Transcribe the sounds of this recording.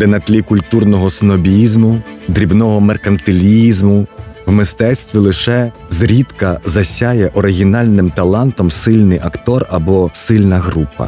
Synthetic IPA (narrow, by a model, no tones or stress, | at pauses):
d̪ɛnɐt̪lʲikʊlʲt̪urnɔɦɔsnɔbʲijizmʊd̪ɾʲibnɔɦɔmerkɐnt̪ɪlʲiizmʊwmɪst̪ɛt̪sʲt̪ʋʲilˠɪʃɛ | zɾʲit̪kɐzɐsʲajɛʔɔɾɪɦʲinɑlʲnɪmt̪ɐlˠɑnt̪ɔmsɪlʲnɪjʔɐkt̪ɔrɐbɔsɪlʲnɐɦɾupɐ̰